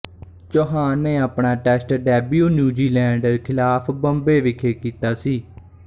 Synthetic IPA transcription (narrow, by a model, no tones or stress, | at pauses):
d͡ʒoːɦãːnẽːaːpɳaːʈɛːsʈɖɛːbjuːnjuːd͡ʒiːlɛ̃ːɳɖəɾkʰɪlaːpʰbəmbeːʋɪkʰeːkiːt̪aːsiː